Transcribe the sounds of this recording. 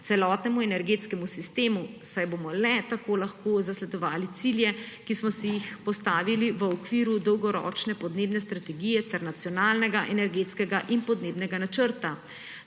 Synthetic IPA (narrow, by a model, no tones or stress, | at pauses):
t̪ɛlɔːt̪nɛmuɛnɛɾɡeːt̪skɛmusist̪eːmusajbomɔlɛt̪akoːlaxkoːzaslɛd̪ɔʋaːlit̪siljɛkismɔsijixpɔst̪aːʋiliʋəɔkʋiːɾud̪ɔwɡɔɾɔ̰ːt͡ʃnɛpɔd̪neːbnɛst̪ɾat̪ɛɡijɛt̪sɛɾnat̪sijɔnaːlnɛɡaʔɛnɛɾɡeːt̪skɛɡaʔinpɔd̪neːbnɛɡanat͡ʃəɾt̪a